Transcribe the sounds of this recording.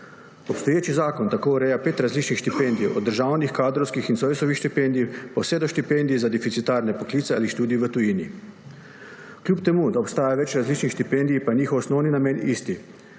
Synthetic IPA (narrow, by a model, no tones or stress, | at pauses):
opst̪ojeːt͡ʃizaːkont̪akoːuɾeːjapeːt̪ɾazliːt͡ʃnixʃt̪ipend̪ijod̪ːəɾʒaːwnixkaːd̪ɾowskixinsojsoʋixʃt̪ipend̪iipawsed̪oʃt̪ipend̪iːzad̪ifit̪sit̪aːɾnɛpoklit̪sɛa̰liʃt̪uːd̪ijiʋət̪ujiːni | klʲuːpt̪ɛmuːd̪aopst̪aːjaʋɛt͡ʃɾazliːt͡ʃnixʃt̪ipend̪iipajɲiːxɔwsnɔwninameːnist̪i